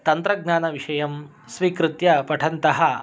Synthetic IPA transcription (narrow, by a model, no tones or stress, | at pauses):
t̪ɐnt̪ɾɐɡ̚naːnɐʋiʂɐjɐm | sʋiːkɾɪt̪jɐpɐʈʰɐnt̪ɐɦɐ